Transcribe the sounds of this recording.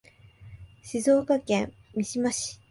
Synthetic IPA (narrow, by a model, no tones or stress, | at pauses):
ɕizoːkakẽ̞m | mʲiɕimaɕi̥